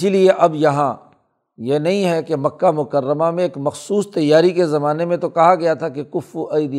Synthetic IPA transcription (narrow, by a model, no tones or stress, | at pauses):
ɪilieʔɐbjɐɦã | jenɐɦĩɦɛkemɐkːamʊkəɾːəmamẽːkmɐxsuːst̪ɐjːaːɾikezɐmaːnemẽt̪okɐɦaɡɐjat̪ʰakekʊfuʔɐid̪i